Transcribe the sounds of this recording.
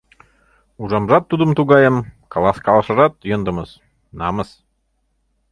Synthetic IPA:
uʒɑmʒɑt̪ːud̪ə̆mt̪uɣɑjɤmkɑlˠɑskɑlˠɤ̆ʃɤ̆ɾɑt̪̚jɤ̆nd̪ə̆mɤs | nɑməs

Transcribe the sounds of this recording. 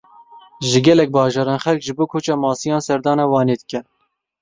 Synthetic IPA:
ʒɨɡɛlɛk̚bɑːʒɑːɾɑːnxɛlkʒɨboːkʰoːt͡ʃɑːmɑːsijɑːnsɛɾd̪ɑːnɑːwɑːneːd̪ɨkɛ

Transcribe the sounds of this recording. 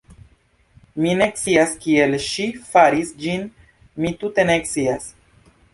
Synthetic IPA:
mine̞k̚t͡siaskielʃifaɾisd͡ʒin | mit̪ut̪e̞nek̚sias

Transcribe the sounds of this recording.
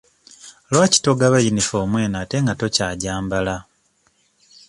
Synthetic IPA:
lwaːci̥to̞ɡaβajinifo̞ːmwe̞ːnaːte̞ŋɡatocaːɟaːmbala

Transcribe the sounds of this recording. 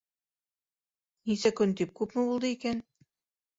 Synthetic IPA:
nisækɵnt̪ip̚kupmɘ̆βulˠd̪ɤiken

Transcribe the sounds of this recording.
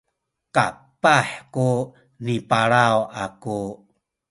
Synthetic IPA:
ka̰paħku | nipaɭawʔaku

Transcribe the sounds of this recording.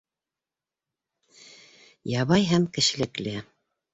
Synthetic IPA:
jɑβɑjɦæmkɘ̆ʃɘ̆lɘ̆klɘ

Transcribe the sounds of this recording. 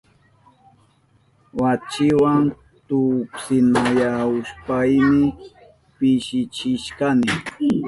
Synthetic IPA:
wat͡ʃɪwan | t̪ʊpsɪnajaʊspajmɪ | pɪʃɪt͡ʃɪʃkanɪ

